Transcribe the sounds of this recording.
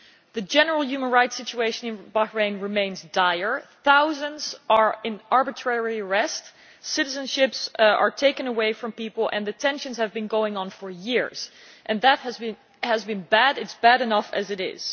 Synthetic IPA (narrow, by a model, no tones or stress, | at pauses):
ðɨd͡ʒɛnə˞l̩ˠjʉmə̃nɹaɪtsɪt͡ʃueɪʃɨ̃nɨ̃nbahɹẽɪ̃nɹɨmẽɪ̃nzdaɪə˞θaʊzə̃ndzʔə˞ɪ̃nɑɹbɨtʰɹ̥ɛɹiəɹɛst | sɪɾɨzɨ̃nʃɪpsə̰˞tʰeɪkɨ̃nəweɪfɹʌ̃mpipl̩ˠɨ̰̃nðɨtʰɛ̃nʃɨ̃nz̥ɨvbɨ̃nɡoʊɪ̃ŋə̃nfə˞jɪɹz̥ | ʔɨ̃nðət̚hɨzbɨ̃ | həzbɨ̃nbæɾɨtsb̥æɾɨnʌfɨzɨɾɪ̰z̥